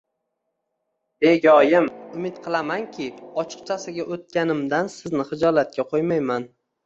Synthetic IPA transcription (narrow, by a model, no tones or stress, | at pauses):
eɡʲɒjɪmʊmɪt̪qʰɨlˠamankʲʰɪɒt͡ʃʰɨ̥qt͡ʃʰasɪɡʲaʔot̪̚kʲanɪmd̪ansɪznɪχɨd͡ʒɒlat̪̚kʲaqʰojmajman